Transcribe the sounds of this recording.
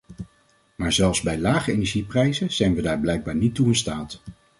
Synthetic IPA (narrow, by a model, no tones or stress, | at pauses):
maːɹzɛlˠfzbɛjlaːχəenɛɹʒiprɛjzəz̥ɛjnʋədaːɹblɛjɡ̚baːɹnitːuɪnstaːt